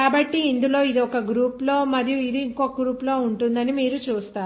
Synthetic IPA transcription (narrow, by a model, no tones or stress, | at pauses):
aːbɐʈːiːnd̪ulo̞ːid̪iɔkɐɡɾuːplo̞ːmɐd̪ʱjuid̪iːŋkoɡɾuːplo̞ːuɳʈund̪ɐnimiːɾut͡ʃuːst̪aː